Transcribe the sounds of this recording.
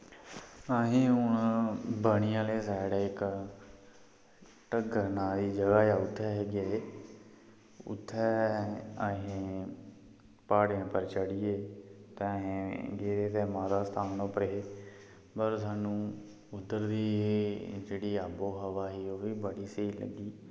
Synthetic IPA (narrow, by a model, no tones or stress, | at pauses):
əɦẽːɦʊɳbəɳ̃ɪjãːleːsaːɪɽaːɪk | ʈəɡəɾnãːd̪iːd͡ʒəɡaːjaːʊt̪ʰːɛːɦɛːɡeː | ʊ̰t̪ʰːɛːəɦẽː | paːɽjãːpəɾt͡ʃəɽɪjeːt̪ɛ̃ːəɦẽːɡeːɾeːt̪ɛːmãːd̪aːst̪ʰaːnnõːpəɾeː | pəɾsaːnũː | ʊd̪ːəɾd̪iː | d͡ʒeːɽiːaːboːɦəʋaːɦiːoːʋiːbəɽiːseiːlə̰ɡiː